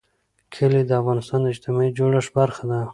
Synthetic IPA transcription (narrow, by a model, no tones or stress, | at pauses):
kʰɪled̪əafɣɑnɪst̪ɑnd̪əɪd͡ʒt̪ɪmɑid͡ʒoɽəʂbaɾxad̪a